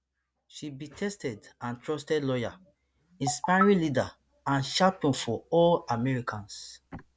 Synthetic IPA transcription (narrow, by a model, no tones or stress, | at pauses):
ʃibitʰɛstɛdãntɹɔstɛdlɔja | ĩnspaɹilida | ãnʃapɔ̃nfɔɔlamɛɹikʰãns